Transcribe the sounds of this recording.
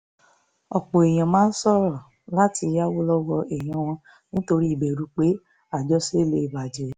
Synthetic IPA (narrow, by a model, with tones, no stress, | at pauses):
ɔ˨k͡po˨e˨j̃ã˨mãː˨˦n̩˦sɔ˦ɾɔ˦˨ | la˦ti˧˦ja˦wo˦lɔ˦wɔ˧ʔe˨j̃ã˨˦w̃ɔ̃˧ | nĩ˦to˧ɾi˦i˦˨be˨ɾu˨˦k͡pe˦ | a˦˨d͡ʒɔ˦se˦le˦i˨ba˨d͡ʒe˨